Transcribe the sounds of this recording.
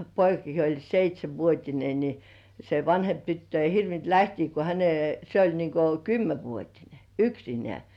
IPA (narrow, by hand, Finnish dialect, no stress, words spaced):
poikɑki jo olʲ seitʲsʲeʋːuotʲine ni se ʋɑnhemp tytːø ei hirʋint læhtiː ko hæne se olʲ niŋko kymːeʋuotine yksinĕæˑ